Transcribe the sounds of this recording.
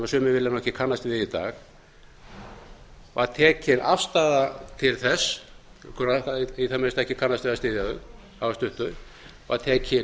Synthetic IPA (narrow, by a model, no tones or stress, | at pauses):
masʏːmɪvɪlːanɔhɛcɪkʰanːast̪vɪðit̪a̰ːx | vaðt̪ʰɛːcɪnafst̪aːðat̪ʰɪlθɛs | kʰʏɾaaiθamɛɾst̪aɛhcɪkʰanːast̪vɪðast̪ɪðjaðʏ̰ | havast̪ʏht̪ʏɾ | vaðt̪ʰɛːcʰɪ